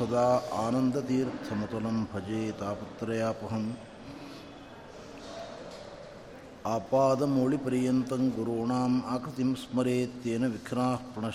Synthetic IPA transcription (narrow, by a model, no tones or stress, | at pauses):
ɐd̪aːaːnɐnd̪ɐt̪iːɾt̪ʰɐmɐt̪ɐlɐmbʱɐd͡ʒeːt̪aːpɐt̪ɾɐjaːpɐɦɐm | aːpaːd̪ɐmoːɭipɐɾijɐnt̪ɐŋɡuɾoːɳaːmaːkɾɐt̪imsmɐɾeːt̪ːeːnɐʋikʰɾaːhpɾɐɳɐ